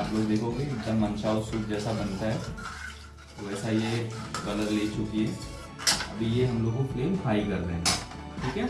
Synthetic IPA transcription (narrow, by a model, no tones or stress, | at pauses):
aːpɡoːd͡ʒd̪eːkʰoːɡeɪd̪əmɐnt͡ʃaːosʊk̚d͡ʒɛːsabɐnt̪aɦɛ | oɛːsajebɐləɾleːt͡ʃʊkiɦɛː | ɐbʱijeɦɐmloːɡopleːmfʰaːikɐɾd̪eɦẽʈʰiːkɛ